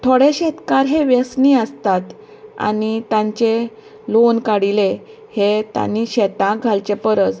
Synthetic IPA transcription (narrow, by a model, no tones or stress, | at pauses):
t̪ʰoɽeɕɛt̪kaɾɦeʋjəsniəst̪at̪ | a̰nit̪ãɲt͡ɕe | lonkaɽile | het̪a̰niɕɛt̪ãɡʱalt͡ɕepəɾət͡s̪